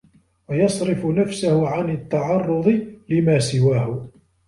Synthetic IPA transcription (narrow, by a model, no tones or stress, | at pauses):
wajɑsˤɾɪfʊnafsahʊʕanɪt̪ːɑʕɑrˤːʊd̪ˤɨlɪmaːsɪwaːhʊ